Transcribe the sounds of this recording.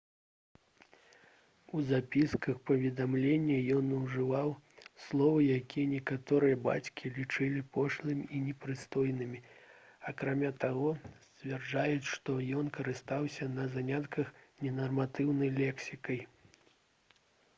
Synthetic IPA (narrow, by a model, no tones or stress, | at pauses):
uzapʲiskɐxpɐvʲɛd̪amlʲenʲːɐjɔnɐwʐɨvawslˠɔvɨjakʲijɐnʲɛkat̪ɔɾɨjɐba̰t͡sʲkʲilʲit͡ʂɨlʲipʰɔʂlˠɨmʲiinʲɛpɾɨst̪ɔjnɨmʲiakɾamʲat̪aɣɔsʲt͡sʲvʲɛrd͡ʐajut͡sʲʂt̪ɔjɔnkɐɾɨst̪awsʲɐnɐzanʲat̪kɐxnʲɛnɐrmat̪ɨwnɐjlʲɛksʲikɐj